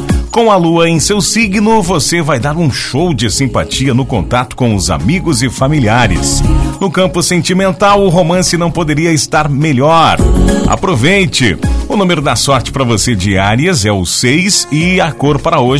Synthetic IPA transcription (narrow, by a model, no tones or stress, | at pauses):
kõw̃ɐluɐẽj̃sewsiɡnʊvosevajd̪aɾũʃowd͡ʒɪsĩpat͡ʃiɐnʊkõnt̪at̪ʊ̥kõʊza̰miɡʊzɪfamiliaɾɪ̰snʊkɐ̃mpʊsẽnt͡ʃimẽnt̪awʊɦomɐ̃sɪnɐ̃w̃pod̪eɾiɐɪst̪aɾmeʎɔɾa̰pɾovejt͡ʃɪ̰ʊnũmeɾʊd̪asɔɾt͡ʃɪ̥paɾɐvosed͡ʒiaɾiɐzɛʊsejsɪakoɾpaɾɐoʒ